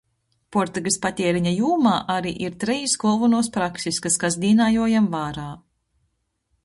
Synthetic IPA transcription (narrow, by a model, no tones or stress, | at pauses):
pɔɾt̪uɡispat̪ʲɛɛɾiɲajuːmaːʔaɾiːʔiɾt̪ɾɛjsɡɔlˠvunuɔspɾaksiskaskazd̪ʲiːnaːjuɔjamvaːɾaː